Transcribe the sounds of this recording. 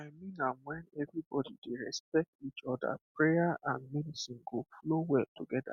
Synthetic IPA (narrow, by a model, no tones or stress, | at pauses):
aɪmĩnamwɛnɛvɾibɔdideɾɛspɛk̚tit͡ʃɔda̰pɹejaʔãnmidisĩnɡoflowɛtoɡɛda̰